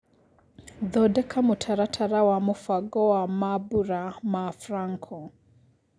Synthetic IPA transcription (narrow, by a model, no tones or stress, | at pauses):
ðɔdɛkʰamutʰaɾatʰaɾawamufaɡɔwamabuɾamafɾaŋkʰɔ